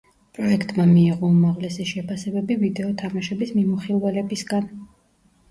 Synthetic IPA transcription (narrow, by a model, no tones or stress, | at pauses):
pʼɾɔɛkʰt̪ʼmamiːʁɔumaʁlɛsiʃɛpʰasɛbɛbivid̪ɛɔt̪ʰamaʃɛbismimuχilˠvɛlɛbisɡan